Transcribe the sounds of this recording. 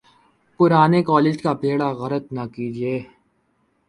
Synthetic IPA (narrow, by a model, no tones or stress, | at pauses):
pʊɾaːnekɔːleːd͡ʒkapeːɽaɣɐɾət̪nɐkiːd͡ʒieː